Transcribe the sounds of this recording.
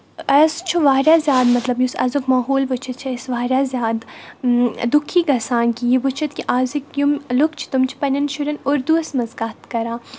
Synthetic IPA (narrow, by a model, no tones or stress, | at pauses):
ɐst͡ʃʰuʋaːɾjaːzjaːd̪mɐt̪lɐbjusɐ̰zukmaːɦoːlʋʊt͡ʃʰɐt̪̚t͡ʃʰiɐsʋaːɾʲjaːzʲjaːd̪ | d̪ʊkʰːiːɡɐsaːnkijiʋʊt͡ʃʰɐt̪̚kiʔaːzikjumlʊkʰt͡ʃʰi̥t̪ʊmt͡ʃʰi̥pɐnʲɐnʃʊɾɐnʊɾd̪uɐsmɐzɡaːt̪kɐɾaː